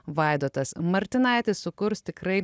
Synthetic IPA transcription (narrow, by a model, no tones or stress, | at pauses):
ʋɐɪd̪oːt̪ɐsmɐɾʲt̪ʲɪnɐˑɪt̪ʲɪssʊkʊɾst̪ʲɪkɾɐɪ